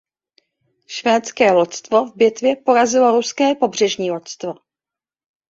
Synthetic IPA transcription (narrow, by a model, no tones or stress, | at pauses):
ʃvɛːt͡skɛːlot̪st̪vovbjɛt̪vjɛpo̞ɾazɪlo̞ɾuskɛːpo̞br̝ɛʒɲiːlot̪st̪vo